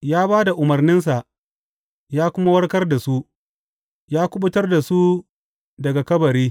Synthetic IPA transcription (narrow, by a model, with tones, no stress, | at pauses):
jaː˦baː˦da˨ʔʊ˨mɐ˨rnɪ˦ns̬a˨ʔ | jaː˦kʷʊ˦ma˦wɐ˦rkɐ˦rda˨su˦ʔ | jaː˦kʷʊ˦ɓʊ˦tɐ˦rda˨su˦ | dɐ˨ɡa˨kɐ˦bɐ˨ɾiː˦